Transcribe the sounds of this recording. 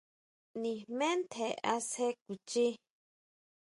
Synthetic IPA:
nĩ˧mẽ˦nt̪ʰe˨a̰˧se˦ku˨t͡ʃi˦

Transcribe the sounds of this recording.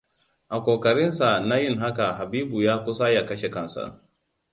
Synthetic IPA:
ʔa˨kʷoː˨kɐ˨ɾɪ˦nsa˨na˦jɪ˦ŋɦa˦ka˨ɦa˨biː˦bu˨jaː˦kʷʊ˦sa˦jaː˦˨kɐ˦ʃe˨kɐ˦nsa̰˨

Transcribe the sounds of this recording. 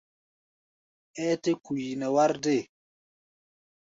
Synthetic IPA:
ɛ˦te˦ku˨i˨nɛ˨wa˦ɾde˦˨

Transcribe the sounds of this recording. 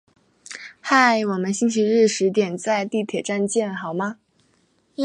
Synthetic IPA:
xa˥˩ɪwɔ˨˩mə˦nɕi˥nt͡ɕʰi˧˥ɻɻ̩˥˩ʂɻ̩˧˥t̪jɛ˨˩nt͡sa˥˧ɪt̪i˥˩t̪ʰjɛ˨˩ʈ͡ʂa˥˧nt͡ɕjɛ˥˩nxɑ˨˩˦ʊmɐ˧

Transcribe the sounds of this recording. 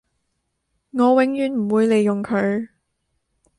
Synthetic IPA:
ŋɔː˨˧wɪ˨˥ŋjyː˨nm̩˨˩wuː˨˧jle˨˧jːʊ˨ŋkʰɵ˨˧ɥ

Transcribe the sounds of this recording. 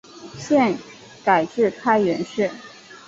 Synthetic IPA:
ɕjɛ˥˩n | ka˨˩ɪʈ͡ʂɻ̩˥˧tʰa˥ɪɥɛ˧˥nʂɻ̩˥˩

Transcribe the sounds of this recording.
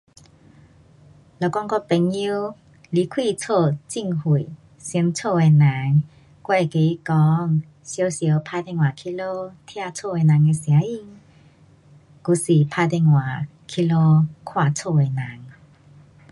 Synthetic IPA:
lɔ˧˩kɔ˥˧˨ŋkɔ˥˧˨pe˨˦ŋi˧˦w | li˨˦kʰwi˥˧˨t͡sʰo˥˧˨t͡ɕi˥˧˨ŋhu˨˩˨ | si˧˦ŋt͡sʰo˥˧˨e˨˧na˨˦ŋ | kwɛ˥˧˨ke˧˦i˧˦kɔ˨˧˦ŋ | sjə˧˦sjpʰa˧t̪ɛ˧˨ŋwa˨kʰi˧lo˧t̪ʰja˥˧t͡sʰo˥˧˨e˧nã˨˦ŋe˧sj̃a˨˧˦i˧˨ŋ | ku˧˦si˨˩pʰa˧t̪ɛ˧ŋwa˨˩ | kʰi˧lo˧kʰwa˧˩˨t͡sʰo˥˧e˨˧nã˨˦ŋ

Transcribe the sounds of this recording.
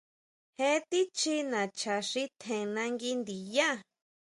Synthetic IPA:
he˦t̪i˦t͡ʃʰi˧nã˨t͡ʃʰa˨ʂi˧˦t̪ʰẽ˨nã˧ŋɡi˧nd̪i˨ja˦˨˧

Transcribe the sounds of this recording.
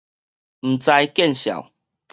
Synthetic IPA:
m̩˨˩t͡sa˧jkjɛ˥˨nɕja̰˨˩w

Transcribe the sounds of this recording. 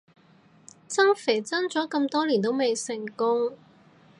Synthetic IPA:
t͡sɐ˥ŋfe˨˩jt͡sɐ˥nt͡sɔː˨˥kɐ˧mt̪ɔː˥liː˨˩nt̪o˥wme˨jsɪ˨˩ŋkʊ˥ŋ

